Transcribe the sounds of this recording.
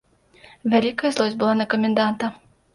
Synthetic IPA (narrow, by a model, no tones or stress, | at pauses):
vʲælʲikɐjɐzlˠɔzʲbɨlˠanɐkɐmʲɛnd̪ant̪ɐ